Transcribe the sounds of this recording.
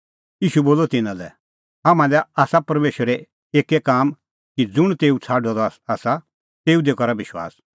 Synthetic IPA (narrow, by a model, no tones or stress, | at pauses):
jiːʃuboːlɔt̪ɪnãlɛ̰ | amãlɛaːsapɐɾmeːʃəɾe | eːkekaːm | kid͡zʊɽ̃t̪eːut͡sʰaːɖɔd̪ɔaːsa | t̪eːud̪ekɔɾabɪʃwa̰ːs